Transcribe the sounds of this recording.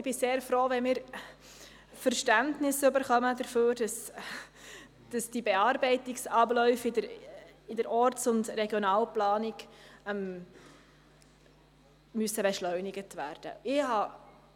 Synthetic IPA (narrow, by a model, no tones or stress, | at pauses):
b̥ɪseːɾfɾoːʋɛmɪːɾ | fəɾʃtæntnɪsʏbəɾχœməd̥əɾføːɾd̥ɑs | d̥ɑsd̥ibɛɑːɾbɛɪtɪksɑblœʏfɪdəɾɪdəɾʔɔɾtsʊndrɛɡjɔnɑːlplɑːnɪɡm | myəsəbɛʃlœʏnɪɡətʋæ̰ːɾd̥ə̰ɪhɑ